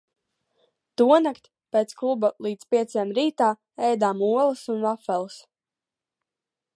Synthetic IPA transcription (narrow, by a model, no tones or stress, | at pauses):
t̪uɔnakt̪ʲ | peːt̪sklˠubalˠiːt̪spʲiɛt̪sajamɾiːt̪aː | ɛjd̪aːmuɔlˠɨsunvafɛlˠs